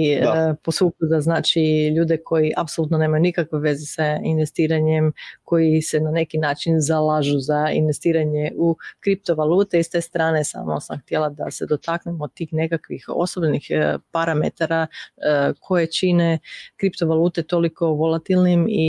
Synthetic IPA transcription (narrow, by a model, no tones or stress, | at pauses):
iposʋukud̪aznaːt͡ʃiʎuːd̪ekʰo̞jiʔapsoluːt̪no̞ne̞ːmajunikakʋeʋe̞zesainʋe̞st̪iːɾaɲemko̞jisenane̞kinaːt͡ʃinzalaʒuzaḭnʋe̞st̪iːɾaɲeʔukɾip̚t̪o̞ʋaluːt̪eist̪e̞ːst̪ɾaːnesa̰ːmosa̰mxt̪jelˠad̪a̰se̞d̪o̞t̪aknemod̪̚t̪ːiːxne̞kakʋixo̞̰sobnixpaɾame̞̰t̪aɾa | kʰo̞je̞t͡ʃinekɾipt̪oʋalˠuːt̪e̞t̪o̞liko̞ʋo̞lat̪ilˠnimi